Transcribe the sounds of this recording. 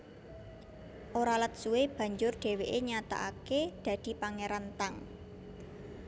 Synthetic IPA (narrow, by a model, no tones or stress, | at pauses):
ʔoɾalət̪̚suweb̥ä̤ɲd͡ʒʊrɖ̪̥e̤weʔeɲat̪a̰ʔaked̪̥ä̤d̪̥i̤paŋeɾant̪aŋ